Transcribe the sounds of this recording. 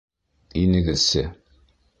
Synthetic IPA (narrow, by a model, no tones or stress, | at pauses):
inɘ̆ɡɘsɘ